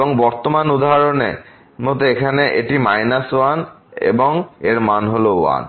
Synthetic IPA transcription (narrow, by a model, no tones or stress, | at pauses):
boŋbɔɾt̪omanud̪aɦaɾonḛ | mot̪oekʰaneʔeʈimajnasoan | ḛboŋeɾmanɦoloua̰n